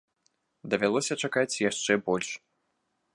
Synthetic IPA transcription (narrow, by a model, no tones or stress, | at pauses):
d̪ɐvʲalˠɔsʲɐt͡ʂakat͡sʲjaʂt͡ʂɛbɔlʲʂ